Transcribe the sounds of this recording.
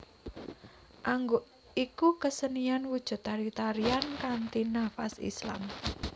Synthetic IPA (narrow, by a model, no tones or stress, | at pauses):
ʔaŋɡo | ikukəsənijanwud̥ʒ̥ṳt̪ːaɾit̪aɾiankant̪inafasḭsla̰m